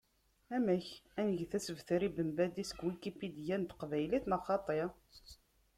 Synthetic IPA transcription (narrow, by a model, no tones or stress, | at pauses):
æmæçænəʝθæsəvθəɾibəmbæd̪isə̥kwikipid̪jænt̪qvæjliθnɑχɑt̪ˤe